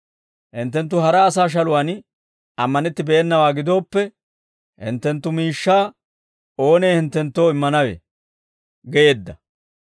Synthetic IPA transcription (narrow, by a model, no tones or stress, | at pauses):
hɪnt̪ːɛnt̪ːʊhɐɾɐːs̬aːʃ̬ɐlʊwan | ɐmːɐnɛt̪ːɪbɛɛnːɐwaːɡɪd̪o̞ːpːɛ | hɪ̰nt̪ːɛnt̪ːʊmiːʃːaː | o̞ːneːhɪnt̪ːɛnt̪ːo̞ːɪmːɐnɐwḛ | ɡɛje̞ːd̪ːɐ